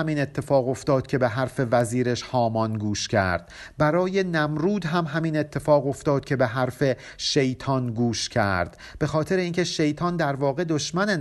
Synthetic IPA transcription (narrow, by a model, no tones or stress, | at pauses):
æmiːne̞t̪ʰːe̞fɒːɣo̞ft̪ɒːd̪̥̚cʰʲe̞beɦæɾfe̞væziːɾeʃhɒːmɒnɡuːʃcʰæ̰ɾd̪̥̚bæɾɒːje̞næmɾuːd̪ɦæmɦæmiːne̞t̪ʰːe̞fɒːɣo̞ft̪ɒːd̪̥̚cʰʲe̞beɦæɾfe̞ | ʃe̞jt̪ʰɒːnɡuːʃcʰæ̰ɾd̪̥ | b̥e̞xɒːt̪ʰe̞ɾeiːncʰe̞ʃe̞jt̪ʰɒːnd̪æɾvɒːɣe̞d̪oʃmæne